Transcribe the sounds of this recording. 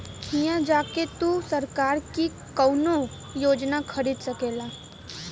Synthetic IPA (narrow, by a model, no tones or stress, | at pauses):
kʰijãd͡ʒaːket̪usəɾkaːɾki | kəwno | joːd͡ʒnakʰɐɾiːd̪səkeːlaː